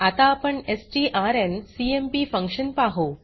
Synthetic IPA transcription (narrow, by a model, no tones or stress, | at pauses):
at̪aːpəɳesʈiʔaɾensiempifə̃ŋkʂənpaɦo